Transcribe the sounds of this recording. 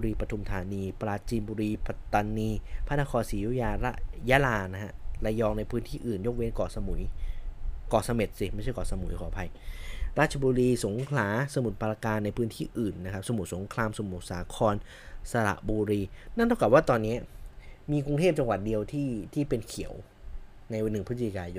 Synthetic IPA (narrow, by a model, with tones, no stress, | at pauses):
ɾiː˧pɾa˧t̪ʰu˧mt̪ʰaː˨˦niː˧pɾaː˧t͡ɕiː˧mbuː˧ɾiː˧pa˧˥t̪ːaː˧nːiː˧pʰa˦˥˩naː˧˥kʰɔː˧nsiː˨˦ju˦˥˩jaː˧ɾa̰˦˥ʔjaː˦˥laː˧na˦˥ha̰˦˥la˧jɔː˧ŋna˧jpʰɯː˦˥nt̪ʰiː˥˩ʔɯː˨˩njo˦˥k̚we˦˧˥nkɔː˨˩sa˧mu˩˦j | kɔː˨˩sa˧me˨˩t̪̚si˨˩ma˥˩t͡ɕʰa˥˩kɔː˨˩sa˧mu˩˦jkʰɔː˨˩˦pʰa˧jɾaː˥˩t̪̚t͡ɕʰa˧buː˧ɾiː˧so˩˦ŋkʰlaː˩˦sa˧mu˨˩t̪̚pʰa˧ɾa˧kaː˧nːa˧jpʰɯ˦˥nt̪ʰiː˥˩ʔɯː˨˩nːa˦˥kʰp̚sa˧mu˨˩t̪̚so˨˩˦ŋkʰlaː˧mso˨˦mu˨˩saː˩˦kʰɔː˧n | sa˧ɾa̰˨˩ʔbuː˧ɾiː˧na˥˩nt̪ʰa˥˩ka˨˩waː˥˩t̪ɔː˧nːi˦˥ɐmiː˧ku˧ŋt̪ʰeː˥˩p̚t͡ɕa˧ŋwa˨˩t̪̚di˧əwt̪ʰiː˥˩t̪ʰiː˥˩pe˧nkʰi˨˩˦ə˦w | na˧jwa˧nːɯ˨˩pʰɯ˦˥t͡ɕi˨˩kaː˧jo˧n